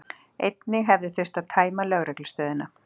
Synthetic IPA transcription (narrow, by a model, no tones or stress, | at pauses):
ejt̪nɪɦɛvðɪθɪr̥t̪aðt̪ʰaːjmalœɣɾɛklst̪œːðɪna